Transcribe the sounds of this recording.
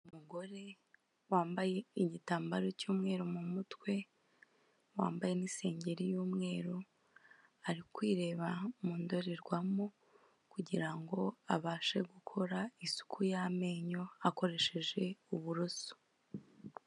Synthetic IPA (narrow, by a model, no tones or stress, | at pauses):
ummuɡo̞ɾe̞ | waːmbaje̞iɲitaːmbaɾo̞cuːmŋe̞ːɾomumutwe̞ | wa̰ːmbaje̞niːse̞ːɲɟe̞ɾijuːmŋe̞ːɾo | aɾikwiːɾe̞ːβamuːndo̞ɾiɾɡwamo | kuɟiɾaŋɡo̞aβaːʃe̞ɡukʰo̞ɾaisu̥kʰujame̞ːɲo̞ako̞ɾe̞ʃe̞ʒe̞uβuɾoso̥